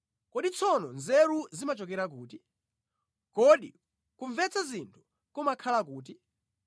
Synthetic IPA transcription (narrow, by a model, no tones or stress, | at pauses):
kɔɗit͡sʰɔnɔnzɛɾuzimat͡ʃɔk̬ɛɾak̬uːti | kɔɗḭ | kuɱvɛt͡sʰazintʰu̥ | kɔmakʰalak̬uːt̬i